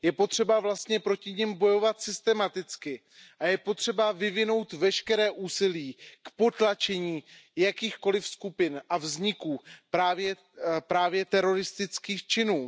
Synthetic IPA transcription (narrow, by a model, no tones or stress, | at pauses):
jɛpo̞t̪r̝̥ɛbavlast̪ɲɛpɾo̞cɪɲɛmbo̞jo̞vat̪sɪst̪ɛmat̪ɪt͡skɪ | ʔajɛpo̞t̪r̝̥ɛbavɪvɪno̞wt̪vɛʃkɛɾɛːʔuːsɪliːkpo̞t̪lat͡ʃɛɲiːjakiːxko̞lɪfskupɪnʔavzɲɪkuːpɾaːvjɛ | pɾaːvjɛt̪ɛɾo̞ɾɪst̪ɪt͡skiːxt͡ʃɪnuː